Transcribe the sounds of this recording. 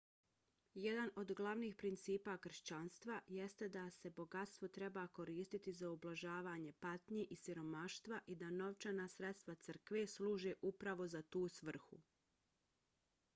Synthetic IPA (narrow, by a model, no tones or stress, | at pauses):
jed̪ano̞d̪ɡlˠaʋniːxpɾint̪siːpakr̩ʃt͡ɕanst̪ʋaje̞st̪ed̪ase̞bo̞ɡat̪st̪ʋo̞t̪ɾe̞baːko̞ɾiːst̪it̪izaublˠaʒaːʋaːɲe̞pat̪ɲeʔisiɾo̞maʃt̪ʋaʔid̪ano̞ʋt͡ʃanaːsɾe̞t̪st̪ʋat̪sər̩kʋe̞sluːʒeːʔupɾaʋo̞zat̪uːsʋr̩xṵ